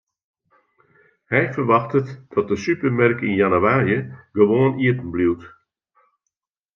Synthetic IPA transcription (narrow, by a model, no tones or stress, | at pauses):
hɛjfərʋɑxtətd̥ɔt̚dəsypərmɛrkinjanuwaːɾjəɡəʋoəniətən̩bliwt